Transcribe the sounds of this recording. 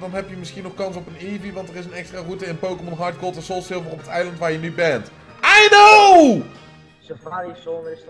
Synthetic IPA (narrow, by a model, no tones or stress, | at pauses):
dɑnɦɛpjəmɪsχinɔχkɑnsɔpəniviʋɑntərɪsənɛkstraːrutəɪnpowkəmɔnɦɑɹt̚kolˠtɛnsolˠtsɪlˠvərɔpətɛjləntʋaːɹjənybɛnt | ʔajnow | paisɔɪ